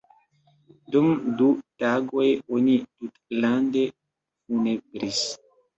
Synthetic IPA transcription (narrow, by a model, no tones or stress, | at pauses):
dumdutaɡojonitutlande | funebɾis